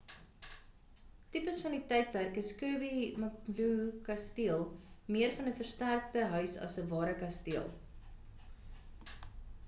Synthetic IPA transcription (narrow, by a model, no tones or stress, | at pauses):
tipəsfɐnditɛjt̚pærkəskʉəbimɐklukɐstiəlˠmiərfɐnəfərstærk̚təɦœɥsɐ̰səvɑːɾəkɐstiəlˠ